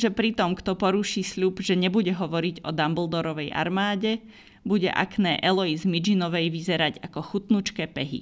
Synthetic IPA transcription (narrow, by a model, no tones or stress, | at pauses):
ʒɛpɾit̪ɔmkt̪ɔpɔɾuʃiːsʎubʒɛɲɛbuɟɛɦɔʋɔɾiɟɔ̰d̪ambl̩ˠd̪ɔɾɔʋɛjʔa̰ɾmaːɟɛ | buɟɛ̰ʔa̰knɛːʔɛlɔizmid͡ʒinɔʋɛjʋizɛɾaɟakɔxut̪nut͡ʃkɛːpɛɦḭ